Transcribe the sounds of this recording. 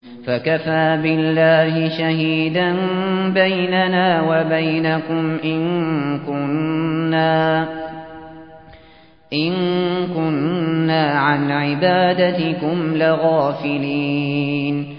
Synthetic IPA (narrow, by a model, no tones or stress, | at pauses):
fakafaːbɪlːaːhɪʃahiːd̪anbajnanaːwabajnakʊmʔɪnkʊnːaː | ʔɪnkʊnːaːʕanʕɪbaːd̪at̪ɪkʊmlɪɣaːfɪliːn